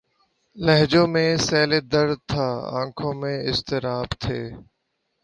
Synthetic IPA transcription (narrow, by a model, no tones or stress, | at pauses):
ləɦd͡ʒõːmẽːsɛːleːd̪əɾt̪ʰaːã̰ːkʰõːmẽːɪst̪ɪɾaːbt̪ʰeː